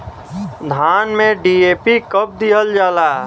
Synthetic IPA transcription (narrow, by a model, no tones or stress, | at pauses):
d̪ʱaːnmẽɖieːpikəp̚d̪iɦəld͡ʒaːlaː